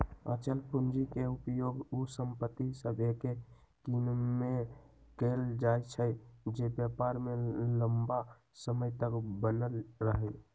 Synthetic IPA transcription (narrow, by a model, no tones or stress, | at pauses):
ə̰t͡ʃənpʰund͡ʒikeupjoɡusəmpət̪ːisəbʱeke | kinme | keld͡ʒajt͡ʃʰəd͡ʒebjəpaɾmeləmba | səməjt̪əkbənəlɾəɦə